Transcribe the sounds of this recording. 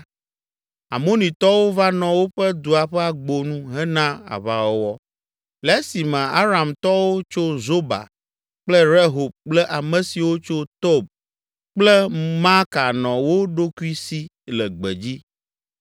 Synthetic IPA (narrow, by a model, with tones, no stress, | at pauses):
a̰˨mõ˦nĩ˨t̪ɔ˦wo˦va˦nɔ̃˨wo˦ɸɛ˦d̪u˨a˨ɸɛ˦a˨ɡ͡bo˨nũ˦ɦɛ˦nã˦a̰˨βa˦wo˦wɔ˦ | lɛ˨˦si˨mɛ̃˨a˦ɾa˨mt̪ɔ˦wo˦t͡ʃo˦zo˦ba̰˨ | k͡plɛ˦ɾe˦ɦo˨b̚k͡plɛ˦ʔa˨mɛ̃˨si˨wo˦t͡ʃo˦t̪o˦b̚ | k͡plɛ˦ma˦ka˨nɔ̃˨wo˦ɖo˦ku˦i˦si˦ | lɛ˨ɡ͡bɛ̰˨d͡ʑi˦